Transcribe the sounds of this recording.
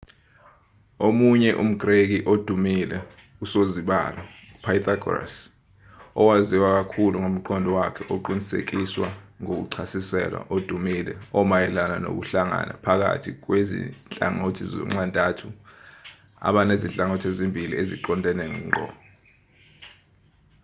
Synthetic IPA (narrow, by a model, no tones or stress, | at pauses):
omuɲɛʔum̩ɡ̥rek̬iʔod̥ʱumilɛ | usoziɓa̰lɔ | upʰajt̪ʰaɡɔra̰s | ɔwaziwak̬akʰuluŋom̩ǃʰɔndʱɔwakʰɛʔoǃinisḛk̬iswaŋok̬ṵǀʰasisɛ̰lwa̰ʔod̥ʱumilɛ̰ɔmajɛlanano̰k̬uɬaŋa̰nʔa̰pʰak̬a̰tʰik̬wezḭnt͡ɬʼa̰ŋotʰizɔ̰ŋ͡ǁantʼatʰu | a̰ɓanezint͡ɬʼaŋotʰezimbʱilḭeziǃɔndʱɛnɛŋɛːŋ͡ǃʱɔ̰ːɔ